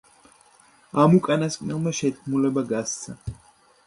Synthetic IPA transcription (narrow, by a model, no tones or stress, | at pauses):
amukʼanaskʼnɛlˠmaʃɛt̪̚kʰmulɛbaɡast̪sʰa